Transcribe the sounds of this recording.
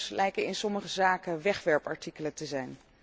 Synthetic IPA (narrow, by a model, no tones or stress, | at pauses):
slɛjkənɪnsɔməχəzaːkəʋɛχʋɛɹpɑɹtikələtəzɛjn